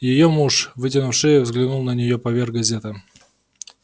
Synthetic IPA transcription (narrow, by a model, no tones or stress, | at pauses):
jɪjomuʂvɨtʲɪnʊfʂɨjəvzɡlʲɪnulˠnənʲɪjopɐvʲerɡɡɐzʲet̪ɪ